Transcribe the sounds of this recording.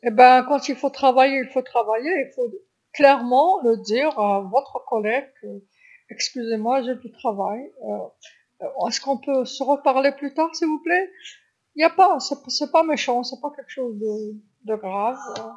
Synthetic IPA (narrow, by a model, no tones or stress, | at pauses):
ebɛ̃kɑ̃t̪ilfot̪χavajeilfot̪χavajeilfo | klɛʁmɑ̃ləd̪iʁavɔt̪χəkɔlɛɡø | ɛkskʲyzemwaʒed̪yt̪χavajø | ɛskɔ̃pøsəʁəpaʁleplyt̪aʁsilvuplɛ | iljapasɛpsɛpameʃɑ̃sɛpakʲɛlkə̥ʃozd̪ə | d̪əɡʁavø